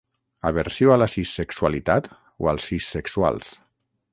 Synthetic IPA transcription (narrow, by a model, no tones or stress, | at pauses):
aβeɾsjoalasisːekswalit̪at̪ | oalˠsːisːeksua̰lˠs